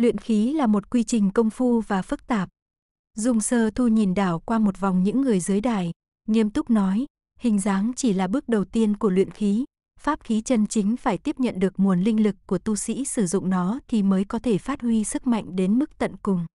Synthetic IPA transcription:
lwḭ˧˨ənxi˨˦laː˨˩mo˨˩t̚kwi˧t͡ɕï˨˩ŋ̟kə˧wŋ͡mfu˧vaː˨˩fɨ˦˥k̚t̪aː˨˩p̚ | zʊ˧ŋ͡msəː˧t̪ʰu˧ɲi˨˩nɗaː˧˩wkwaː˧mo˨˩t̚va˨˩wŋ͡mɲɨ̰˧˥ŋːɨ˨˩əjzɨ˨˦əjɗaː˨˩j | ŋi˧əmt̪ʊ˦˥k͡p̚nɔ˨˦j | hï˨˩ŋ̟zaː˨˦ŋt͡ɕi˧˩laː˨˩ɓɨ˦˥ək̚ɗə˨˩wt̪i˧ənku˧˩əlwḭ˧˨ənxi˨˦ | faː˦˥p̚xi˨˦t͡ɕə˧nt͡ɕï˨˦ŋ̟faː˧˩jt̪i˦˥əp̚ɲə̰˧˨nɗɨ˨˩ək̚mu˨˩ənlï˧ŋ̟lɨ˨˩kːu˧˩ət̪u˧sḭ˧˥sɨ˧˩zʊ̰˧˨ŋ͡mnɔ˨˦t̪ʰi˨˩məː˨˦jkɔ˨˦t̪ʰe˧˩faː˦˥t̚hwi˧sɨ˦˥k̚ma̰˧˨jŋ̟ɗe˨˦nmɨ˦˥k̚t̪ə̰˧˨nkʊ˨˩ŋ͡m

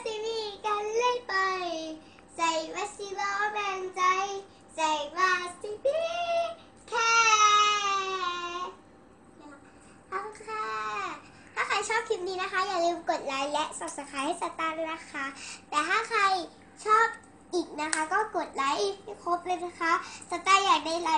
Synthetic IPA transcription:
si˧˩miː˧˨kaː˧nlɯ˥˩jpa˧j | sa˨˩jwa˦˥si˧bɔ˧bɛː˧nt͡ɕa˧˥j | sa˨˩jbaː˧˩si˧pʰi˦˧ | kʰɛː˧ | ʔa˧˩kʰa˧˥˩ | t̪ʰaː˥˩kʰa˧jt͡ɕʰɔː˥˩p̚kʰi˦˥p̚niː˦˥na˦˥xʰa˦˥jaː˨˩k̚lɯː˧mko˨˩t̪̚la˨˦˥jlɛ˦˥ʔsa˨˩p̚sa˧˥kʰaː˧ha˥˩jsa˨˧˩t̪aː˧˩nna˦˥kʰa˦˥t̪ɛː˨˩t̪ʰaː˥˩kʰa˧j | t͡ɕʰɔː˥˩p̚ | ʔiː˨˩k̚na˦˥kʰa˦˥kɔː˥˩ko˨˩t̪̚la˦˥jkʰo˦˥p̚ləː˧na˦˥kʰa˦˥sa˧˩t̪aː˧jːaː˨˩k̚da˥˩jla˦˥

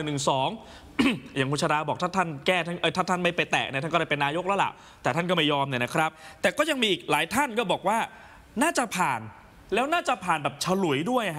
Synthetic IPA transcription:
nɯ˨˩ŋsɔː˩˦ŋ | ja˨˩ŋkʰu˧nt͡ɕʰa˧ɾaː˧bɔː˨˩k̚t̪ʰa˥˩t̪ʰa˥˩nkɛː˥˩t̪ʰa˥˩nʔə˧˩t̪ʰa˥˩t̪ʰa˥˩nma˥˩jpa˧jt̪ɛ̰ː˨˩k̚nʰ˧˥˩a˥˩kɔ˥˩a˧˥˩pe˧nːaː˧˥jo˦˥k̚la˦˧˥la̰˨˩ʔ | t̪ɛː˨˩t̪ʰa˥˩nkɔː˥˩ma˥˩jɔː˧mni˥˩na˦˥kʰɾa˦˥p̚t̪ɛː˨˩kɔː˥˩ja˧ŋmiː˧ʔiː˨˩k̚laː˨˩˦jt̪ʰa˥˩nkɔː˥˩bɔː˨˩k̚waː˥˩ | naː˥˩t͡ɕa˨pʰaː˨˩n | lɛː˦˥wnaː˥˩t͡ɕa˨pʰaː˨˩nbɛː˨˩p̚t͡ɕʰa˧lu˨˩˦jdu˥˩əj

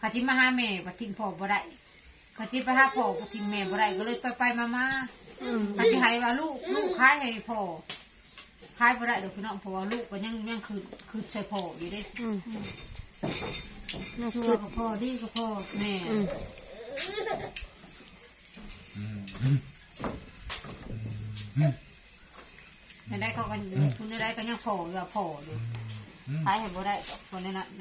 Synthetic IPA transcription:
kʰaː˧˩si˧˦maː˧haː˧˥mɛː˧˩ba˧˩t̪ʰi˧˨npʰɔː˨˩bɔː˧ɾa˧˨j | kʰa˧˩si˧˦pa˧haː˧˨pʰɔː˧˩ba˧˩t̪ʰi˧˨nmɛː˧˩bɔː˧ɾa˧˨jka˧lɤː˧˩jpa˧˩jpa˧˨jmaː˧maː˧˥˧ | kʰa˧˩si˧˦ɦa˧˦jwaː˧luː˧˨ʔluː˧˨ʔkʰaː˧˥˨jha˧˩jpʰɔː˧˩ | kʰaː˧˥˨jbɔː˧ɾa˧˨jt̪ɔ˨˩pʰi˧nɔ˧˥˨ŋpʰɔ˧˩waː˧luː˧˩˨ʔkːa˧˩ɲa˧˥˨ŋɲa˧˥˨ŋkʰɯː˧˩t̚kʰɯː˧˩n̚sɔ˧˨jpʰɔː˧˩ji˧˨de˧˥˨ | su˧˨a˧˨˧ka˧˩pʰɔː˧˩diː˧˨ka˧˩pʰɔː˧˩nɛː˧˩˧ | na˧˨da˧˥jkʰa˧˩wka˧kʰu˧˨nːa˧da˧˥˨ka˧˩ɲa˧ŋpʰɔː˨˩bɛ˧waː˧pʰɔː˨˩du˧˩˨ | sʰaː˧˨jha˧˨jbɔː˧ɾa˧˨jpʰɔ˧˨nɛ˧˨la˧˨

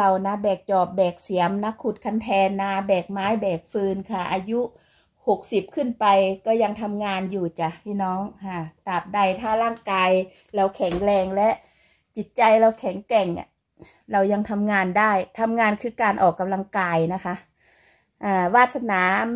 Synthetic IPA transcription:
a˧wna˧bɛː˨˩k̚t͡ɕɔː˨˩p̚bɛː˨˩k̚si˨˦əmna˧˥kʰːu˧˩t̪̚kʰa˧˩nt̪ʰɛː˧nːa˧bɛː˨˩k̚maː˨˦˥jbɛː˨˩k̚fɯː˧nkʰa˧˩ʔa̰ː˧ju˦˥ʔ | ho˨˩k̚si˨˩p̚kʰɯ˧˥˨npa˨jkɔː˧˩ja˧ŋt̪ʰa˧mŋaː˧njuː˨˧˩t͡ɕa˧˩pʰiː˧˨nɔː˧˥˨ŋkʰa˧˩t̪aː˨˩p̚da˧˩jt̪ʰaː˧˩laː˥˩˨ŋkaː˧j | la˧˩wkʰɛ˨˩˦ŋlɛː˧˩ŋlɛ˦˧˥ʔ | t͡ɕi˨˦t̪̚t͡ɕa˧jla˧wkʰɛ˨˩˦ŋkɛ˨˩ŋa̰˧˩ | ɾa˧wja˧ŋt̪ʰa˧mŋaː˧ndaː˥˩jt̪ʰa˧mŋaː˧nkʰɯː˧kaː˨˧nʔɔ̰ː˨˩kːa˧mla˧ŋkaː˧jna˦˧˥kʰa˧˥ʔ | ʔaː˧˩waː˧˩t̪̚sa˧naː˨˦m

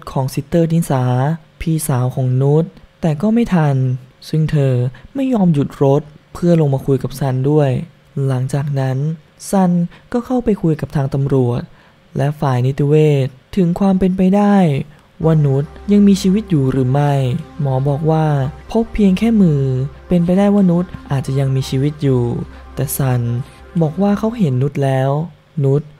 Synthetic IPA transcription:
kʰɔː˩˦ŋsi˦˥t̪ːɤː˥˩t̪ʰiː˧˥nsaː˩˦ | pʰiː˧saː˩˦wkʰɔː˩˦ŋnu˦˥t̪̚ːɛː˨˩kɔː˥˩ma˥˩jt̪ʰa˧nsi˥˩ŋt̪ʰɤː˧ma˥˩jːɔː˧mju˨˩t̪̚ɾo˦˥t̪̚pʰɯ˥˩ɐlo˧ŋmaː˧kʰu˧jka˨˩p̚sa˥˩ndu˥˩əj | la˩˦ŋt͡ɕaː˨˩k̚na˦˥n | sa˥˩nkɔː˥˩kʰa˥˩wpa˧jkʰu˧jka˨˩p̚t̪ʰaː˧ŋt̪a˧mɾu˨˩ət̪̚ | lɛ˦˥faː˨˩jni˦˥t̪ʰi˧weː˥˩t̪̚ʰːɯ˨˩˦ŋkʰwaː˧mpe˧npa˧jdaː˥˩j | wa˧˩nu˦˥t̪̚ja˧ŋmiː˧t͡ɕʰiː˧wi˦˥t̪̚juː˨˩ɾɯː˩˦ma˥˩jmɔː˩˦bɔː˨˩k̚waː˥˩pʰo˦˥pʰːi˧əŋkʰɛː˥˩mɯː˧pe˧np̬a˧jdaː˥˩jwaː˥˩nu˦˥t̪̚ʔaː˨˩t̪̚t͡ɕa˨˩ja˧ŋmiː˧t͡ɕʰiː˧wi˦˥t̪̚juː˨˩ | t̪ɛː˨˩sa˧˩n | bɔː˨˩k̚waː˥˩kʰa˦˥wɦe˨˦nːu˦˥t̪̚lɛː˦˥w | nu˦˥t̪̚

